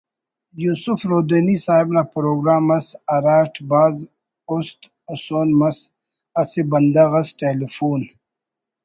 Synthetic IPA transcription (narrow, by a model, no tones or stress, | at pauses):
juːsufɾoːd̪enisaːibnapɾoːɡɾaːmɐsɐɾaːʈbaːz | ost̪ | usoːnmɐs | ɐsibɐnd̪ɐɣɐsʈeːlifuːn